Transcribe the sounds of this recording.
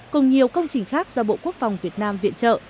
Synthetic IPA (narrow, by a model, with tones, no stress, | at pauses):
kʊ˨˩ŋ͡mɲi˨˩əwkə˧wŋ͡mt͡ɕï˨˩ŋ̟xaː˦˥k̚z̥ɔ˧ɓo̰˧˨ku˦˥ək̚fa˨˩wŋ͡mvi˨˩ət̚naː˧mvḭ˧˨ənt͡ɕə̰ː˧˨